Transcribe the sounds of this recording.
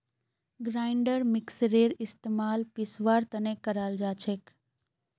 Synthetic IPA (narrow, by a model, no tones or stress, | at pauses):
ɡɾaːɪɳɖəɾmɪksɾeɾɪst̪emaːlpisʋaːɾt̪ənekəɾald͡ʒaːt͡ʃʰek